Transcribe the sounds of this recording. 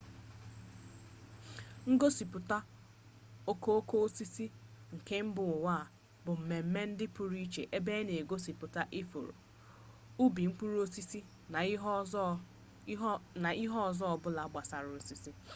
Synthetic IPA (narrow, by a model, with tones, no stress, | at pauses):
ŋ̩˦ɡo˦si˨pʊ˨ta˦ | o˦ko˦o˦ko˦o˦si˦si˦ŋ̩˨ke˦m̩˦bʊ˨ʊ˨wa˦˨ | bʊ˨m̩˨me˨m̩˦me˦n̩˦dɪ˦pʊ˦ɾi˦t͡ʃḛ˨ʔe˦be˦ne˨ɡo˦si˨pʊ˨ta˦ʔi˦fo̰˨ɾo̰˨ | u˦bi˨ŋ̩˦k͡pu˦ɾo˦si˦si˦˨ | na˨i˦ɦɔ˦ɔ˨zɔ˦˨bʊ˦la˨˦ɡ͡ba˨sa˨ɾʊ˨o˨si˦si˦